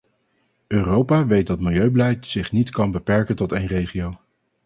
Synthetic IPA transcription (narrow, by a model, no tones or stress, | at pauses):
ʔøːrowpaːʋejt̚dɑtmɪlˠjøɥbəlɛjtsɪχnitkɑnbəpɛɹkəntɔtejnrejχiow